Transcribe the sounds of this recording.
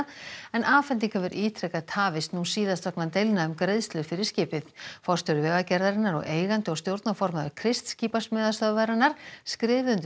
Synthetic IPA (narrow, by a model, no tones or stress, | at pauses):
ɛnʔaːfɛnt̪̬iŋkʰɛvʏɾʔiːt̪ʰɾɛkat̪ʰaːvɪsnusiːðast̪œknat̪ejlnaʏmkɾejðst̪lʏfɪɾɪɾ̥scɪːpɪθfɔɾ̥st̪ʏɾʏvɛːɣacɛɾðaɾɪnːaɾɔ̰ɣeːjɣant̪ɪɔɣst̪jowɾt̪nafɔɾmaðʏkʰɾɪst̪sciːpasmɛːðast̪œðvaɾanːaɾ̥skɾɪːvðʏnt̪